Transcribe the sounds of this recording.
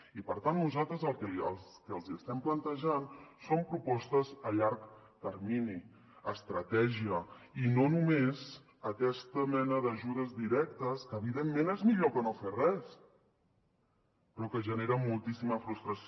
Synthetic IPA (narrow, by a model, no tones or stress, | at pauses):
ipəɾt̪anːuzalˠt̪ɾəzəlˠkəə̰lˠskəəlˠziəst̪ɛmplənt̪əʒansompɾupɔst̪əzəʎaɾk | t̪əɾmini | əst̪ɾət̪ɛʒiəinonumez | əkɛst̪əmɛnəðəʒuð̞əzdiɾɛk̚t̪əskəːβiðemːenezmiʎokənoferɛs | pɾɔkəʒəneɾəmulˠt̪isiməfɾust̪ɾəs